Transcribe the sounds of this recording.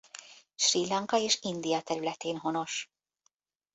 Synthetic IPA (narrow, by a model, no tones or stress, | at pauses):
ʃrilɑŋkɑeːʃind̪ijɑt̪ɛɾylɛt̪eːnɦonoʃ